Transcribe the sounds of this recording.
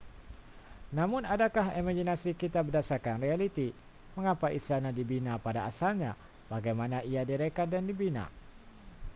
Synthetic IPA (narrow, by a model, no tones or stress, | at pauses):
namʊnadakaɦimaɡinasikit̪abədasarkanrealit̪i | məŋapaʔist̪anadibinapadaːsalɲa̰ | b̥aɡajmanaiadiɾekat̪̚dandibina̰